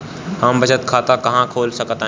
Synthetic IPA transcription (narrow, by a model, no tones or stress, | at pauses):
həmbʱət͡ʃət̪kʰaːt̪akəɦãkʰoːlsəkət̪a